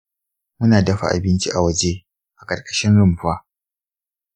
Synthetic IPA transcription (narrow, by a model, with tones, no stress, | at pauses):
mʊ˦naː˨dɐ˦ɸa̰˨ʔa̰˨bɪ˦nt͡ʃi˦ʔa˨wɐ˦d͡ʒe˦ | ʔa˨kʼɐ˨kʼɐ̥˦ʃɪ˦nɽʊ˦mɸaː˦